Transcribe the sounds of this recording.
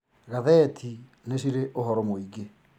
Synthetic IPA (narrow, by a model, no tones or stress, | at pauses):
ɣaðɛːtʰi | nesiɾeʔoɦɔɾɔmoiɡe